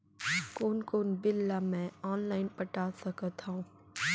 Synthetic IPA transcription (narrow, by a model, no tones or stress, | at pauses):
koːnkoːnbɪlːamɛ̃ɔːnlaːɪnpɐʈaːsɐkət̪ɦãũː